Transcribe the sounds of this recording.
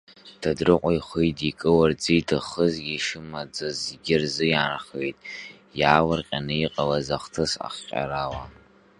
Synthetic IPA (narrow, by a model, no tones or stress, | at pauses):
d̥adrɨqʷʼajχʷejtʼikʼɨward͡zijtʰɨχəzɡʲiʂɨmad͡zazɡʲɪrzɨjaːnaχejtʼ | jaːwarqʲʼanɨiqʼalazaχtʰɨsa̰χʲʼa̰ɾawa